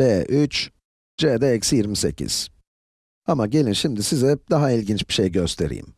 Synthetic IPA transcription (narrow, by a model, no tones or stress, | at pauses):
beːʔyt͡ʃ | d͡ʒed̪ɛɛcsjiɾmise̞̰cʰḭz̥ | amaɟe̞lʲinʃimd̪isizɛd̪aɦailʲɟint͡ʃb̥i̥ʃejɟøst̪ʰe̞ɾḭːḭm